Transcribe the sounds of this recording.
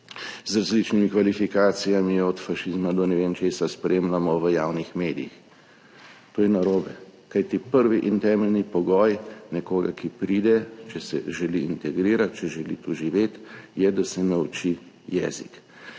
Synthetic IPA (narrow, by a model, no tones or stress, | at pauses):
zɾazlit͡ʃnimikʋalifikaːt̪sijamiɔt̪faʃizmad̪ɔnɛʋeːnt͡ʃeːsaspɾeːmlamɔʋəjaːwnixmeːd̪ijḭx | t̪oːjɛnaɾoːbɛkajt̪ipəɾʋiʔint̪ɛːmɛlnipɔɡɔjnɛkoːɡakipɾiːd̪ɛt͡ʃɛsɛ̰ʒɛliint̪ɛɡɾiːɾat̪̚t͡ʃɛʒɛlḭt̪uʒiʋeːt̪jɛd̪asɛnɛut͡ʃi | jɛ̰ːzḭk